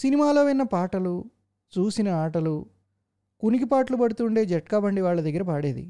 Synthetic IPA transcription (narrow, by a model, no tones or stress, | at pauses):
sinimaːloːʋinːɐpaːʈɐlu | t͡ʃuːsinɐaːʈɐlu | kunikipaːʈlubɐɽut̪uɳɖe̞ːd͡ʒɛʈkaːbɐɳɖiʋaːɭːɐd̪ɐɡːɐɾɐpaːɽe̞ːd̪ḭ